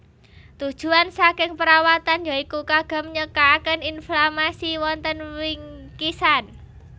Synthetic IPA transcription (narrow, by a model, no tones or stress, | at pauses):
t̪ud̥ʒ̥ṳansakɪŋpəɾawat̪anjɔikukaɡ̥a̤mɲəkakəninflamasiwɔnt̪ənwɪŋkisan